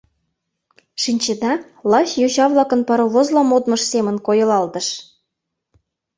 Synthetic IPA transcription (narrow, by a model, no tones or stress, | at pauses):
ʃinʲt͡ɕĕd̪ɑ | lɑɕjoɕɑβlɑkɤ̆npɑɾoβozlɑmod̪mɤ̆ʃsemə̆nkojɤ̆lɑlt̪ə̆ʃ